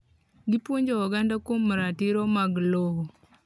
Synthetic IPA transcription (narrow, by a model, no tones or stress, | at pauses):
ɡɪpwoɲd͡ʒɔɔɡandakomɾatɪɾɔmaɡloho